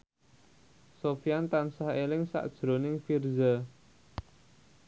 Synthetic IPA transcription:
sofjant̪ansaɦelɪŋsa̰ʔd̥ʒ̥ɾo̤nɪŋfirza

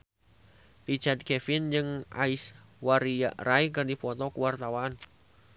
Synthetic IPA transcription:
rit͡ʃad̪̚kɛfɪnd͡ʒɨŋa̰iswaɾia̰ʔraikərdifɔt̪ɔkuwart̪awaan

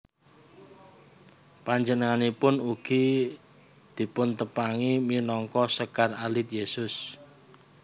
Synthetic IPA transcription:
paɲd͡ʒənəŋanipʊnuɡ̥i | d̪̥i̤pʊnt̪əpaŋiminɔŋkɔsəkaralɪt̪̚jesʊs

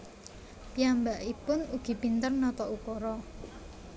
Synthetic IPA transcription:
piambaʔipʊnuɡ̥i̤pint̪ərnɔt̪ɔʔukɔɾɔ

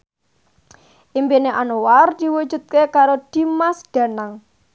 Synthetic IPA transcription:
ʔimbineʔanoward̪̥i̤wud̥d͡ʒ̥ṳt̪̚kekaɾod̪̥i̤masd̪̥ä̤naŋ

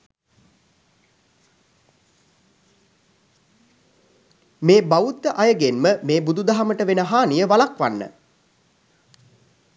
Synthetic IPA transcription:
meːbaut̪ːəʔajəɡenməmeːbud̪ud̪aɦaməʈəʋenəɦaːnijəʋalakʋanːə̰

